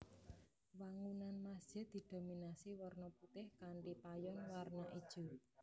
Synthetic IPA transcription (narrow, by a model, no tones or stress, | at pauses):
waŋunanmḁʒ̥ɛ̤d̪̥i̤d̪̥o̤minasiwɔrnɔput̪ɪhkaɳɖipajɔnwarnaʔid̥ʒ̥ṳ